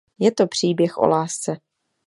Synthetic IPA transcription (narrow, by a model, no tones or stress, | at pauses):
jɛt̪o̞pr̝̥iːbjɛxʔo̰laːst͡sɛ